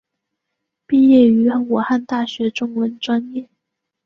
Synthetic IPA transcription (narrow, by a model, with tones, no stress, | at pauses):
pi˥˧jɛ˥˩y˧˥˩wu˨˩xa˥˧nt̪a˥˩ɕɥɛ˧˥ʈ͡ʂʊ˥ŋwə˧˥nʈ͡ʂwa˥njɛ˥˩